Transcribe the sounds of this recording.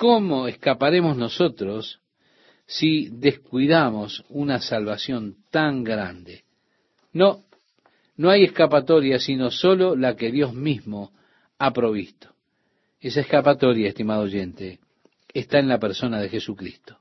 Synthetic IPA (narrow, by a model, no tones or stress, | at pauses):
komoeskapaɾe̞mo̞zno̞so̞t̪ɾosː | iðe̞skwiðamo̞sunasalβasjo̞nt̪aŋɡɾand̪e | no | noaje̞hkapat̪o̞ɾjasino̞so̞lo̞lake̞ðjo̞zmizmo̞ | apɾo̞β̞ist̪o̥ | esaehkapat̪o̞ɾjaest̪imaðooʒe̞nt̪eː | st̪aẽnlapeɾso̞naðexesukɾist̪o̥